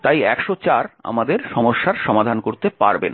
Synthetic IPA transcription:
t̪ajɛkʃot͡ɕaɾa̰mad̪eɾʃɔmoʃːaɾʃɔmad̪ʱankoɾt̪epa̰ɾbḛn

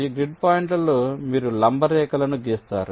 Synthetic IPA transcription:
iːɡɾiɖ̚paːiɳʈɐlomiːɾulɐmbɐɾɛːkɐlɐnud͡ʒeːst̪a̰ːɾu

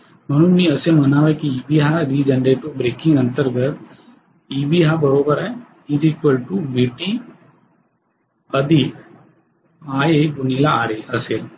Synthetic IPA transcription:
mənũnĩəsemɐnaːʋekiiːbiːɦad̪iːd͡ʒə̃nd̪eʈ̪obɾeːkɪ̃ŋɡənt̪əɾɡət̪ | iːbiːɦabəɾoːbəɾɛ | iziːkwəlʈubiʈi | əd̪i | aːeɡʊnilaaːɾeʔəsel

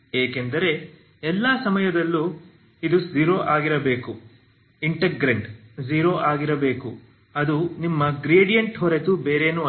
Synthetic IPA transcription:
eːkend̪ɐɾe̞ | ɛlːɐsɐmɐjɐd̪ɐlːu | id̪uziɾoːʔaːɡiɾɐbe̞ːku | iɳʈeɡɾɐɳʈd͡ʒiːɾoːʔaːɡiɾɐbe̞ːku | ɐd̪unimːɐɡɾeːɖijɐɳʈɦoɾet̪ubeːɾeːnuː

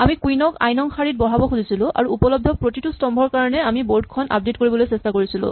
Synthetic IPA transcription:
amikujnɔka̰jnɔŋxʰaɹit̚bɔɦabɔxuzisilʊ̃a̰ɹuupɔlɔb̚dʱɔpɹotitustɔmbʱɔɹkaɹɔnɛamiboɹdkʰɔna̰p̚detkoɹibɔlojsestakoɹisilʊ̰̃

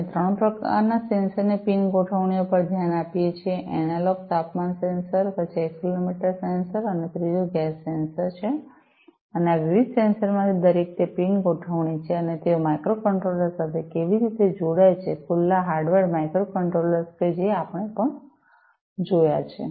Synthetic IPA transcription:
et̪ɾəɽ̃õpɾəka̰ɾnasensəɾnepinɡoʈʰəʋɳiopəɾd̪ʱjanapijet͡ʃʰeʔɛnalok̚t̪apmansensəɾpət͡ʃʰeekːilomiʈəɾsensəɾənefɾid͡ʒoɡɛsːensəɾt͡ʃʰe | əneaʋiʋid̪sensəɾmãt̪ʰid̪əɾek̚t̪epinɡoʈʰəʋɳit͡ʃʰeənet̪eomajkɾokəɳʈɾoləɾsat̪ʰekeʋiɾit̪ed͡ʒoɽajt͡ʃʰekʰulːaɦaɾɖʋəɾmajkɾokəɳʈɾoləɾsked͡ʒeapəɳ̃epəɳ | d͡ʒojat͡ʃʰḛ

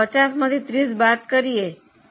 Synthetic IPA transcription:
ət͡ʃasməd̪ʱit̪ɾisbat̪kəɾie

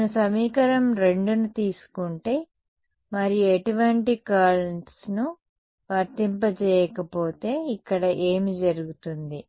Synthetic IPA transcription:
nusɐmiːkɐɾɐmɾe̞ɳɖunut̪iːsu̥kuɳʈe̞ː | mɐɾijueʈuʋɐɳʈikaːɾeɳʈsnu | ʋɐɾt̪imp̬ɐt͡ʃɛːjɐkɐpo̞ːt̪e̞ːikːɐɽɐʔe̞ːmid͡ʒɐɾuɡut̪und̪i

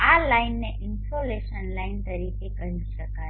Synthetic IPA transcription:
alainːeʔɪnpoleʃənlaint̪əɾikʰekəɦiʃəkaj

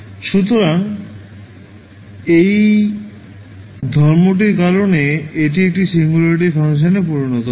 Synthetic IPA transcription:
ʃut̪oɾaŋ | ej | d̪ʱɔɾmoʈ̬iɾkaɾoneeʈiek̚ʈisiŋɡulaɾiʈ̬ifʰaŋʃ̬anepuɾonɔt̪o

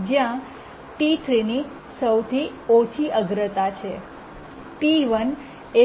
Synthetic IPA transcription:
d͡ʒjã | ʈit̪ʰɾini | səwt̪ʰiot͡ʃʰiʔəɡɾət̪at͡ʃʰe | ʈiʋən | e

